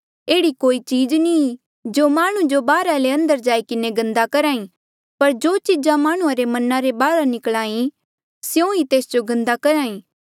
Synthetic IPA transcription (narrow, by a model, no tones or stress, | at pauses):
eːɽikoːit͡ʃiːd͡ʒni | d͡ʒoːmaːɽ̃ũd͡ʒobaːɾaleɐ̃nd̪əɾd͡ʒaːikɪneɡɐ̃nd̪akɐɾaːĩ | pɐɾd͡ʒoːt͡ʃɪd͡ʒãmaːɽ̃uãɾemɐnãɾebaːɾanɪkɭaːĩ | sjõit̪eːsd͡ʒoɡɐ̃nd̪akɐɾaːĩː